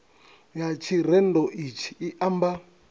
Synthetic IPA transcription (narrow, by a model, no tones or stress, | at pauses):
jat͡ʃʰiɾɛndɔʔit͡ʃʰi̥iʔamba